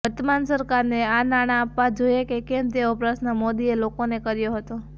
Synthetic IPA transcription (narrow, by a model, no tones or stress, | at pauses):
əɾt̪əmansəɾkaɾneanaɽ̃ãːpʋad͡ʒojekekemt̪eopɾaʃnəmod̪ielokonekəɾjoɦət̪o